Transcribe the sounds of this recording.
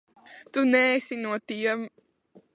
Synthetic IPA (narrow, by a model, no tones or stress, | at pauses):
t̪unɛːsinuɔt̪iɛm